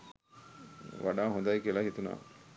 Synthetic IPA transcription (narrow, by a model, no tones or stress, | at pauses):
ʋa̰ɖaːɦond̪ajikielaɦit̪una̰ː